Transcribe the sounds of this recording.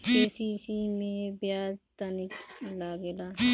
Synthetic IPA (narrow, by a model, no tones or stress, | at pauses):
keːsisimẽbjaːzt̪anɪklaːɡelaː